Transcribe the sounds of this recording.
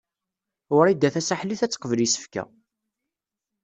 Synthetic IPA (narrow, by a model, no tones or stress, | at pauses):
ʊɾid̪æθæsaħliθæt͡sːqəvlisə̥fkæ̰